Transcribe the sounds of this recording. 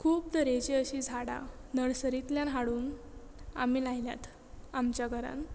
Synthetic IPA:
kʰuːp̚d̪əɾed͡ʑiəɕid͡zʱaɽa̰nəɽsəɾit̪ljãnɦaɽuːn | a̰milajlja̰t̪ | amt͡ɕjaɡʱəɾã̰n

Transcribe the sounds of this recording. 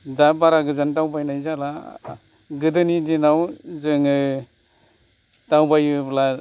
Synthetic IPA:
dabaɾaɡɯzantawbajnajzala | ɡɯdɯnidinawzɯŋɯ | tawbajɯbla

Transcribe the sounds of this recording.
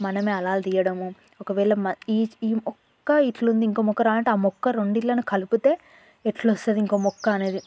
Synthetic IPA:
mɐnɐmeːɐlaːld̪iːjɐɽɐmu | ɔkɐʋɛːɭɐmɐiːiːmɔkːɐiʈlund̪iŋkoːmɔkːɐɾaːlɐɳʈeaːmɔkːɐɾoɳɖilːɐnukɐluput̪e̞ː | eʈlost̪ɐd̪iŋkoːmɔkːɐɐne̞ːd̪i

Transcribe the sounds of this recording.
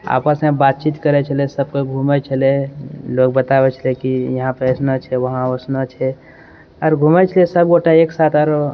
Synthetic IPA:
a̰ːpəsmẽbat̪̚t͡ʃit̪kəɾɛt͡ʃʰəlesəbkoɡʱumɛt͡ʃʰəlelok̚bət̪aʋɛt͡ʃʰəlekijəɦãpesnət͡ʃʰɛʋəɦãosnət͡ʃʰɛ | ɔɾɡʱumɛt͡ʃʰəlesəboʈaeksat̪əɾ

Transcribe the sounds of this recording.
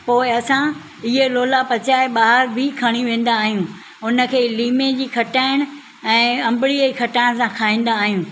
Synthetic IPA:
poːɪɐsã | ɪɦeloːlapɐt͡ɕaːɪɓaːɦəɾbʱɪkʰɐɽ̃iʋẽːn̆d̪aːɦijũ | ʊnə̆kʰeːliːmed͡ʑiːkʰɐʈaːɪɽ̃ | ɛ̃ːɐ̃mbɪɽiəikʰɐʈaːɪɽ̃sãkʰaːĩːn̆d̪aːɦijũː

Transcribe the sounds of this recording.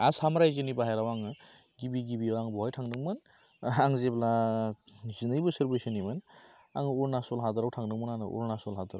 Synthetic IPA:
asamɾajzinibaɦajɾawaŋɯ | ɡibiɡibiawaŋbɔɦɔjtʰaŋnɯŋmɯn | aŋzebla | zinɯjbɯsɯɾbesinimɯn | a̰ŋuɾnasɔlɦadɯɾawtʰaŋnɯŋmɯnanɯ̰ʔṵɾnasɔlɦadaɾaw

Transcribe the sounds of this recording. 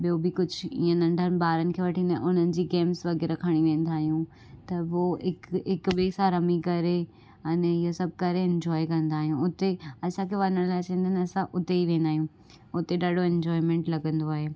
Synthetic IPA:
ɓijobɪkʊd͡ʑʱʊĩːə̃nɐ̃ɳɖʱənɪ̆ɓaːɾənɪ̆kʰeːʋɐʈʰĩnd̪ʔʊn̤ənɪ̆d͡ʑiːɡeːmsʋɐɣɛɾɐkʰɐəɽ̃iʋẽːn̆d̪aːɦijũ | t̪ɐboɪkɪkɓeːsãɾɐmikɐɾe | ɐnɪɦosɐb̚ʱkɐɾeɪ̃ɲd͡ʑɔːikɐ̃nd̪aːɦijũʊt̪eɐsãkʰeʋɐnəɽ̃laːɪt͡ɕɐ̃ːnd̪ənɪɐsãʔʊt̪eiʋẽːnd̪aːɦijũː | ʊt̪eɗaːɗoɛ̃ɲd͡ʑɔːɪmẽːɳʈlɐɡə̃nd̪oaːɦeː

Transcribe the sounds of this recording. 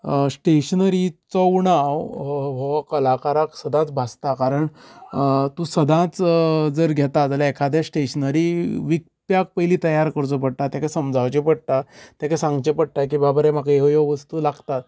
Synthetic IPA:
sʈeɕənəɾit͡səwɳawɦɔkəlakaɾaksəd̪ʱãt͡sbʱast̪akaɾəɳ | t̪ũsəd̪ʱãt͡sd͡zəɾɡʱɛt̪atəlaɛkʰad̪ʱjasʈeɕənəɾiʋik̚t̪jak̚pəjliːt̪əjaɾkəɾt͡sop̬əɽt̪at̪jãkasəmd͡zʱaʋt͡ɕepəɽt̪at̪jakasãŋɡt͡ɕepəɽt̪ajk̬ibabəɾɛm̤akaeojɔʋəst̪uːlaɡt̪at̪̚

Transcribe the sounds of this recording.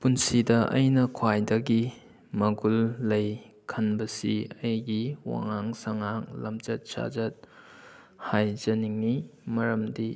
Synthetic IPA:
punsidɐʔɐjnɐkʰwajdɐɡi | mɐɡulːɐj | kʰɐnbɐsiɐjɡiwa̰ŋaŋsɐŋaŋlɐmt͡ʃɐt̚sa̰d͡ʒɐt̚ | hajzɐniŋːimɐɾɐmdi

